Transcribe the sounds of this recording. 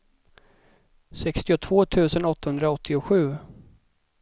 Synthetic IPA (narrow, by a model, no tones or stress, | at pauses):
sɛkst̪ɪʊt̪ʰv̥oːt̪ʰʉ̟ːsənɔt̪ːahɵnd̪ɾaɔt̪ʰːɪʊɧʉ̟ː